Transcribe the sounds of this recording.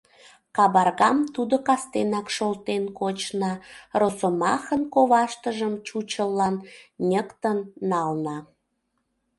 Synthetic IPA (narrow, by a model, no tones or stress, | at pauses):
kɑβɑrɣɑmt̪ud̪okɑst̪enɑkʃolt̪enkot͡ɕnɑrosomɑxənkoβɑʃt̪əʒəmt͡ɕut͡ɕəlːɑnnʲəkt̪ənːɑlnɑ